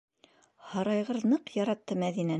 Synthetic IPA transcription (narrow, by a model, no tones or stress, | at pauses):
hɑɾɑjʁɤðnɤqjɑɾɑt̪ːɤmæðinæ